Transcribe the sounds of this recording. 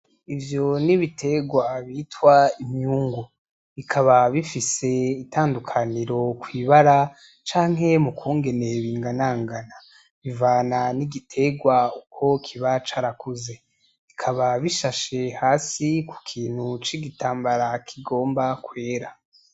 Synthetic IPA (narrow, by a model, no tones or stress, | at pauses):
ivjo̞niβitʰe̞ɡwaβitwaimɲuːŋɡu | βikʰaβaβifise̞itʰaːndukʰaniɾo̞kwiːβaɾa | t͡ʃaːŋɦe̞mukʰuːŋɡe̞ne̞βiːŋɡanaːŋɡana | βivaːnaniɡitʰe̞ɡwaukʰo̞kʰiβat͡ʃaːɾakuze̞ | βikʰaβaβiʃaʃe̞haːsiku̥kʰiːn̥hut͡ʃiɡitʰaːmbaɾakʰiɡo̞ːmbakwe̞ːɾa